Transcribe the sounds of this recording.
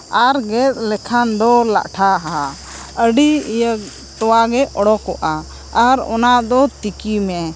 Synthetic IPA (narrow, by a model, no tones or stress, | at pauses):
aɾɡɛt̪̚ˀlɛkʰand̪ɔla̰ʔʈʰaɦa | əɖiijə | t̪ɔwaɡɛʔɔɽɔkɔʔaː | ɾɔ̰naʔd̪ɔt̪ikimɛ